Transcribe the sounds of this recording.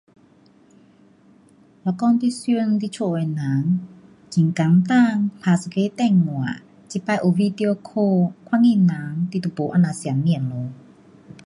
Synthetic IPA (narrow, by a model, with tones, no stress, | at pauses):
la˧˩kɔː˧nt̪i˧sy˧ə˨˧ŋt̪i˧˨t͡ɕʰu˧˩˨wa˨˩jna˨˦ŋ | t͡ɕi˨˦ŋka˨˦ŋt̪a˧˥˧ŋpʰaː˧˩sa˨˧kʰeː˧˥˨t̪ɛ˧˩˨ŋŋu˨a˨ | t͡ɕi˧˨pa˧˨jʔo˨˧˨vi˧d̪i˧o˧kʰoː˧kʰa˧˥˨ŋi˧˥˨na˨˦ŋt̪i˧t̪u˧˨po˨˦ʔa˧˨na˨si˨˦nmi˧˩ə˨nlo˨˦